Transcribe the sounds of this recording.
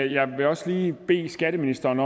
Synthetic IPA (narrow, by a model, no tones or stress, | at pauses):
jɑ̈ɪʋe̝ɒ̽sliːb̥e̝̰ːsɡ̥æɾ̥əminisd̥ɐːnɒ̽